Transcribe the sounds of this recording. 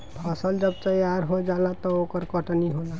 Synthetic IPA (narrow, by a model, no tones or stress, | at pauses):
pʰʌsəld͡ʒʌb̚t̪əjaɾɦod͡ʒalat̪ɔokəɾkʌʈniɦola